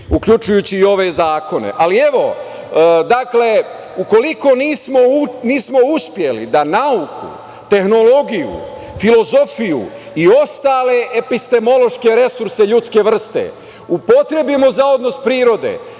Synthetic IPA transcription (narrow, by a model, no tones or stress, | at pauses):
ukʎut͡ʃujuːt͡ɕiːo̞ʋe̞zaːko̞nḛʔalie̞ʋo̞ | d̪akle | uko̞liko̞niːsmo̞niːsmo̞uspje̞lḭd̪anaukṵ | t̪e̞xno̞lo̞ɡijṵ | filo̞zo̞fijṵ | io̞st̪aːle̞ʔepist̪e̞mo̞lo̞ʃke̞ɾe̞suɾseʎut̪ske̞ʋr̩st̪ḛ | upo̞t̪ɾe̞bimozao̞d̪no̞spɾiːɾo̞d̪ḛ